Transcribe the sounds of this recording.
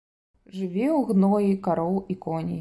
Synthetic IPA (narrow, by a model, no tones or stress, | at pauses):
ʐɨvʲɛwɣnɔjikaɾɔwˠikɔnʲi